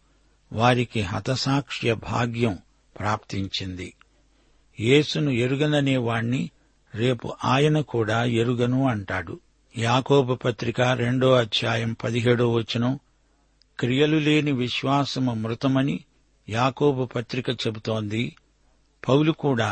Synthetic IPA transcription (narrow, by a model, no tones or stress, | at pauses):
ʋaːɾikiɦɐ̰t̪ɐsaːkʂjɐbʱa̰ːɡjɐm | pɾaːpt̪iɲt͡ʃind̪i | je̞ːsunue̞ɾuɡɐnɐneːʋaːɳːi | ɾe̞ːpṵʔaːjɐnɐkuːɽaːeɾuɡɐnuɐɳʈaːɽu | jaːkoːbɐpɐt̪ɾikɐɾe̞ɳɖo̞ːɐd̪ʰʱjaːjɐmpɐd̪iɦe̞ːɽuːʋɐt͡ʃːinɐ | kɾijɐlule̞ːniʋiʃʋaːsɐmumɾut̪ɐmɐni | jaːkoːbɐpɐt̪ɾikɐt͡ʃe̞but̪o̞ːnd̪i | pɐwlukuːɽaː